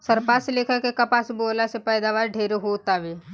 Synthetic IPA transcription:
sɐɾpaːsleːkʰəkekapaːsboːlasepɛːd̪aːʋaːɾɖʱeːɾɦot̪aʋeː

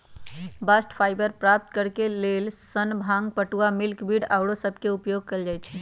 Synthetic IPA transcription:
basʈpʰajbəɾpɾap̚t̪kəɾkelelsənbʱaŋɡpəʈuamilkbiɽawɽosəbʱkeupjoɡ̚keld͡ʒajt͡ʃʰ

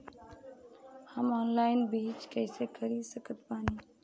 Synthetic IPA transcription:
həmɔːnlaːɪnbiːt͡ʃkɛːsekʰəɾisəkət̪paːniː

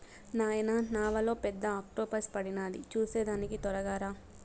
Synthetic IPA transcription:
naːjɐnanaːʋɐlo̞ːpɛd̪ːɐaːk̚ʈoːpɐspɐɽinaːlḭt͡ʃuːseːd̪aːnikit̪ɔɾɐɡaːɾaː

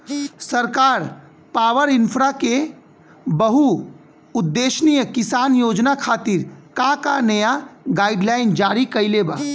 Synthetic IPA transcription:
səɾkaːɾ | paːʋəɾɪnpʰɾake | bəɦu | ʊd̪ːeːʃnijəkɪsaːnjoːd͡ʒnakʰaːt̪ɪɾkãkanɐjaɡaːɪɖlaːɪnd͡ʒaːɾikɐileba̰ː

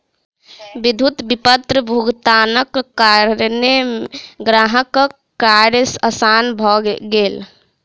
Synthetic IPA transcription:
bid̪ʱut̪bipət̪ɾəbʱuɡt̪aːnəkːaɾɾneɡɾaɦək | kːaɾjsəsanbʱɔɡel

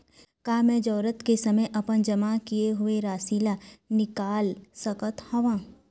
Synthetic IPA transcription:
kaːmɛ̃d͡ʒɔːɾət̪kesɐməjʔɐpənd͡ʒɐmakijeɦʊeɾaːsiːlanɪkaːlsɐkət̪hɔʋãː

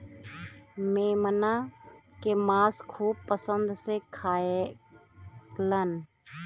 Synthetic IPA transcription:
meːmənakemaːskʰuːb̚pəsənd̪sekʰaːe | lən

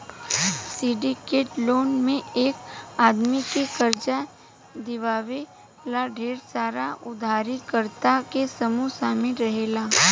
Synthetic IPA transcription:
siɖikeːʈloːnmẽeːkaːd̪mikekɐɾd͡ʒa | d̪ɪʋaːʋe | laɖʱeːɾsaːɾaʊd̪ʱaːɾikəɾt̪akesɐmusaːmɪlɾɐɦeːlaː

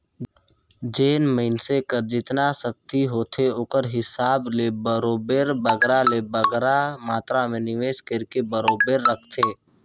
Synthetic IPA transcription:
d͡ʒeːnməɪnsekəɾd͡ʒɪt̪nasək̚t̪iɦoːt̪ʰeoːkəɾɦɪsaːblebəɾoːbeɾbəɡɾalebəɡɾamaːt̪ɾamẽnɪʋeːskɾkebəɾoːbeɾːəkʰt̪ʰeː

